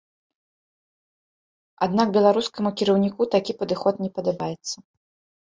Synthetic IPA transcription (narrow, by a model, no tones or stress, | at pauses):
ad̪nak̚bʲɛlˠaɾuskɐmukʲiɾɐwnʲikut̪akʲipɐd̪ɨxɔt̪nʲɛpɐd̪abajɛt̪sːɐ